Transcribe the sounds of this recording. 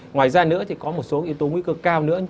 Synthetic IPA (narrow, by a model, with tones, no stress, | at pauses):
ŋwaː˨˩jzaː˧nɨ̰˧˥ət̪ʰi˨˩kɔ˨˦mo˨˩t̚so˨˦ʔi˧əwt̪o˨˦ŋwi˧kəː˧kaː˧wnɨ̰˧˥ə